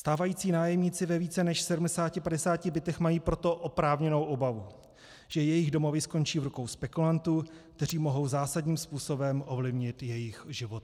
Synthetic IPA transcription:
st̪aːvajiːt͡siːnaːjɛmɲit͡sɪvɛviːt͡sɛnɛʃsɛdumdɛsaːcɪpadɛsaːcɪbɪt̪ɛxmajiːpɾo̞t̪o̞ʔopɾaːvɲɛno̞wʔo̞bavu | ʒ̥ɛjɛjɪɣdo̞mo̞vɪsko̞nt͡ʃiːvɾuko̞wspɛkulant̪ukt̪ɛriːmo̞ɦo̞wzaːsadɲiːmspuːso̞bɛmʔovlɪvɲɪt̪jɛjɪxʒɪvot̪̚

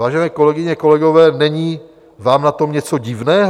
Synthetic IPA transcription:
aːʒɛnɛːko̞lɛɡɪɲɛko̞lɛɡo̞vɛːnɛɲiː | vaːmnat̪o̞mɲɛt͡so̞ɟɪvnɛːɦ

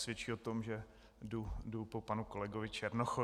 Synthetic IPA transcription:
sʋjɛt͡ʃiːot̪omʒɛ | dudupopanukolɛɡovɪt͡ʃɛɾnoxo

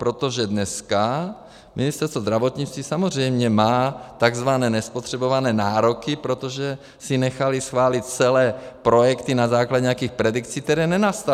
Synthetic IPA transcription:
pɾot̪oʒɛdnɛska | mɪnɪst̪ɛɾst̪vozd̪ɾavo̞t̪ɲit͡st̪viːsamor̝ɛjmɲɛmaːt̪aɡzvanɛːnɛspot̪r̝̥ɛbo̞vanɛːnaːɾo̞kɪpɾot̪oʒɛ | sɪnɛxalɪsxvaːlɪt̪̚t͡sɛlɛːpɾo̞jɛkt̪inazaːklaɟɛɲjakiːxpɾɛdikt͡siːk̚t̪ɛɾɛːnɛnast̪a

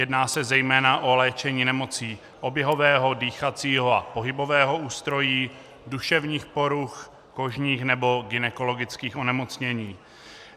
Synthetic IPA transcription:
jɛdnaːsɛzɛjmɛːnaʔo̞lɛːt͡ʃɛɲiːnɛmo̞t͡siː | ʔo̞bjɛɦo̞vɛːɦo̞diːxat͡siːɦo̞a̰po̞ɦɪbo̞vɛːɦo̞uːst̪ɾo̞jiː | duʃɛvɲiːxpo̞ɾux | ko̞ʒɲiːxnɛbo̞ɡɪnɛko̞lo̞ɡɪt͡skiːxo̞nɛmo̞t͡sɲɛɲiː

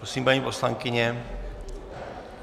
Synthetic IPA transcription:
ɾosiːmpaɲiːpo̞slaŋkɪɲɛ

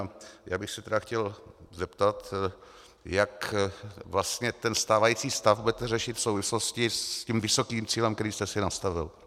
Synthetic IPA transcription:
ajaːbɪxsɛt̪ɛdaxcɛlzɛpt̪at̪ | jak | vlast̪ɲɛt̪ɛnst̪aːvajiːt͡siːst̪afbudɛt̪ɛrɛʃɪt̪fso̞wvɪslo̞scɪscimvɪso̞kiːmt͡siːlɛmktɛɾiːst̪ɛsɪnast̪avɪl

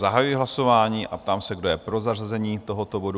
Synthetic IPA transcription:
aɦajujɪɦlaso̞vaːɲiːʔap̚t̪aːmsɛɡdo̞jɛpɾozarazɛɲiːt̪o̞ɦot̪o̞bo̞du

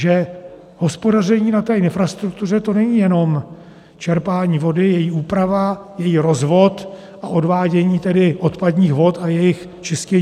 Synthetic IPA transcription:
ʒɛ | ho̞spo̞dar̝ɛɲiːnat̪ɛːɪnfɾast̪ɾuk̚t̪ur̝ɛt̪o̞nɛɲiːjɛno̞m | t͡ʃɛɾpaːɲiːvo̞dɪjɛjiːʔuːpɾavajɛjiːɾo̞zvo̞t̪ | ʔaʔo̞dvaːɟɛɲiːt̪ɛdɪʔo̞t̪padɲiːxvo̞t̪ajɛjɪx | t͡ʃɪscɛ

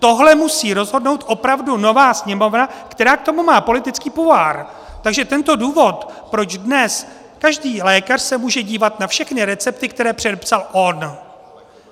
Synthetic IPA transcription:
t̪o̞ɦlɛmusiːɾo̞zɦo̞dno̞wt̪ʔo̞pɾavduno̞vaːsɲɛmo̞vnakt̪ɛɾaːk̚t̪o̞mumaːpo̞lɪt̪ɪt͡skiːpuaːɾ | t̪aɡʒɛt̪ɛnt̪o̞duːvo̞t̪pɾo̞d͡ʒdnɛs | kaʒdiːlɛːkar̥sɛmuːʒɛɟiːvat̪nafʃɛxnɪɾɛt͡sɛp̚t̪ɪkt̪ɛɾɛːpr̝̥ɛdɛpsalʔo̞n

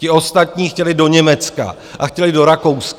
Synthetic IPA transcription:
cɪo̞st̪at̪ɲiːxcɛlɪdo̞ɲɛmɛt͡ska̰ | ʔaxcɛlɪdo̞ɾako̞wsk

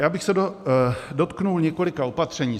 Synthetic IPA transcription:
jaːbɪxsɛdodot̪knulɲɛko̞lɪkao̞pat̪r̝̥ɛɲiː

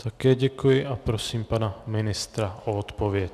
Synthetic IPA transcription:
t̪akɛːɟɛkujɪʔapɾosiːmpanamɪnɪst̪ɾaʔoot̪povjɛc

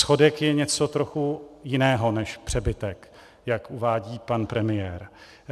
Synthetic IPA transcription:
sxo̞dɛkjɛɲɛt͡so̞t̪ɾo̞xujɪnɛːɦo̞nɛʃpr̝̥ɛbɪt̪ɛk | jakuvaːɟiːpanpɾɛmɪjɛːɾ

